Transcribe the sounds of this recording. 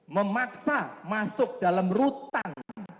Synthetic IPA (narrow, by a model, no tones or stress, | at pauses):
məmaksamasʊk̚d̥a̤lamrut̪aŋŋ